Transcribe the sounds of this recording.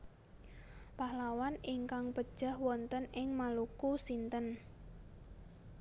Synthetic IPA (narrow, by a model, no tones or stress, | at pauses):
pahlawaniŋkaŋpəd̥ʒ̥a̤hwɔnt̪ənɪŋmalukusint̪ən